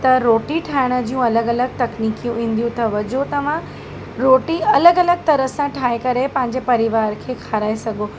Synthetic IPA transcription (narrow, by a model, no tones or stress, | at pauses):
t̪ɐɾoːʈiʈʰaːɪɽ̃ə̆d͡ʑiːũɐləɡɐləɡ̚t̪ɐkniːkijũĩːnd̪ijũt̪ʰɐʋɐd͡ʑot̪ɐʋ̤ã | ɾoːʈiɐləɡɐləɡ̚t̪ɐɾəsãʈʰaːekɐɾepɐ̃ɦɪ̃ɲ̆d͡ʑepɐɾiʋaːɾkʰeːkʰaɾaːesɐɡʱoː